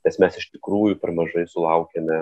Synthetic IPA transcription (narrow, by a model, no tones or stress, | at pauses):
nʲɛsmʲɛsɪʃt̪ʲɪkɾuːjʊːpʲɛɾmɐʒɐɪsʊlˠɐʊkʲeːmʲɛ